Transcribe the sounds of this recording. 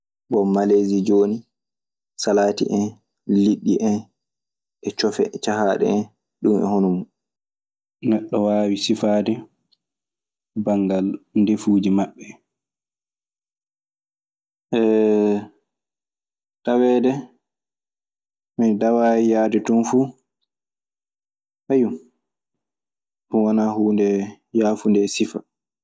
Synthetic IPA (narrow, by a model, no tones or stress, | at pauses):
bɔmːalezid͡ʒoːni | salaːtḭʔɛn | liɗːiʔɛn | ʔɛt͡ʃɔfɛ̰t͡ʃaɦaːɗɛ̰ɛn | ɗumɛ̰honɔmu | nɛɗːɔwaːwisifaːdɛ | baŋɡalndefuːd͡ʒimaɓːɛ | ʔɛ | tawɛːdɛ | midawaːijaːditunfuː | hajum | mɔwanahuːndɛ | jaːfundɛsifa̰